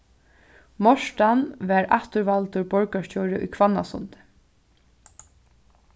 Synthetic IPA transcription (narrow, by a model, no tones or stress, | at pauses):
mɔʂʈanʋæːɹa̰ht̪ʊɾvalt̪ʊɹbɔɹkaʂcɔːɹɪʔʊ̰jkʰvanːa̰sʊ̰nt̪ɪ̥